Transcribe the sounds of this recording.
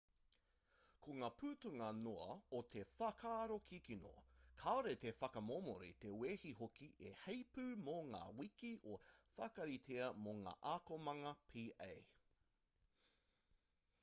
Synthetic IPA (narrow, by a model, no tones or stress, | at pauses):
kʰoŋaːpʰʉːtuŋɐnoɐot̪ʰefɐkʰaːɾokʰikino̰kʰaoɾet̪efɐkɐmomo̰ɾḭt̪eweːhiɦokiʔehejpʉːmoŋa̰ːwikiʔofakɐɾitʰeɐmoŋa̰ːʔaːkomɐŋɐpʰiːʔḛj